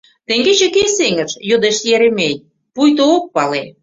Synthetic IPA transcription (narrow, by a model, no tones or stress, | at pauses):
t̪ĕŋɡet͡ɕĕkeseŋə̆ʃjod̪eʃt̪jeɾemenʲ | pujt̪ook̚pɑle